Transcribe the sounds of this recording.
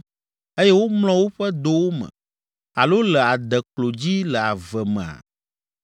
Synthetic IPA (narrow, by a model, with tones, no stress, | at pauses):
e˦jɛ˦wo˦mlɔ̃˦wo˦ɸɛ˦d̪o˦wo˦mɛ̰̃˨ | a˨lo˦lə˨a˨d̪ɛ˨klo˨d͡ʑi˦lə˨a˨vɛ˨mɛ̰̃˨a̰˨